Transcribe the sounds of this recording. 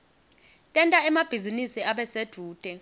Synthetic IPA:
tʼɛntʼaɛmab̥ʱizinisiaɓɛsed̥ʱuːd̥ʼʱɛ

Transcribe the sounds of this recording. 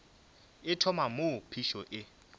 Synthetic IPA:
ɪtʰɔmamopʰiʃɔʔɪ

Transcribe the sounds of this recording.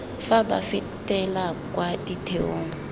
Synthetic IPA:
faɓa̰fitʼɛlakʼwadʼitʰeoːŋu

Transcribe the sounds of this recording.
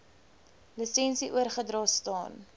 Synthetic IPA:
lisɛnsiʔuərχədrɑːstɑ̰ːn

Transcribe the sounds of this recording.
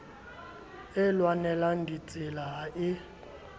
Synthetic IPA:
ɛlwanɛlandʱit͡sʼɪlaɦaʔɪ

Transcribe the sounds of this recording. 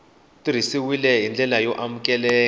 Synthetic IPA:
tiɾ̤isiwilɛɦind͡ɮʱɛlajɔʔamukɛlɛː

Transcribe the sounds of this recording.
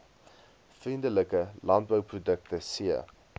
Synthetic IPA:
frindələkəlɐnt̚bəwprudək̚təsiə̰

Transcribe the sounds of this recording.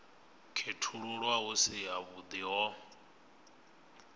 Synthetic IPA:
kʰetʰuɺuɺwaɦusijaβud̪iɦɔ

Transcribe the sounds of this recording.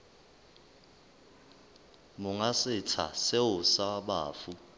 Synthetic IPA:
mʊŋasɪt͡sʰa̰seʊsaɓaːfu

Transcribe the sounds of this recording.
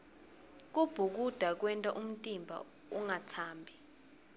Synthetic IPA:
k̬ub̥ʱuk̬ud̥ʱak̬wɛntʼaʔum̩tʼimbʱa̰ | uŋatʰaːmbʱi

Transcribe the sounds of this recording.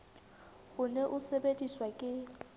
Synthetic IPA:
ʊnɛʔʊsebetʼiswakʼɪ

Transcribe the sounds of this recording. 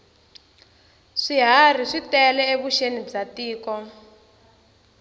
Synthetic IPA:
ʂiɦar̤iʂitɛlɛeβuʃenib͡ʐatiːkɔ

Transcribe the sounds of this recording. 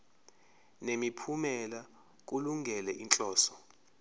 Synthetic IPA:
nemipʰumɛla | k̬uluŋʱɛlɛʔint͡ɬʼɔːsɔ̥

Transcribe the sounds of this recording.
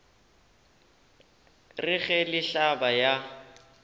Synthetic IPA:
rɪɣɛlɪɬabaja

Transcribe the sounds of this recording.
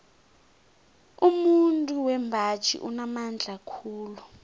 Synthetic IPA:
umuntʼuwɛmbʱat͡ʃʼʰḭʔunamand͡ɮʱakʰuːlu

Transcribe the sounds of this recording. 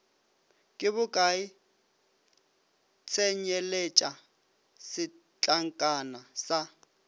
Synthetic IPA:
kʼɪβʊkʼai | t͡sʰɛɲɛlet͡ʃʼa | sɪ | t͡ɬʼaŋ̩kʼanasa

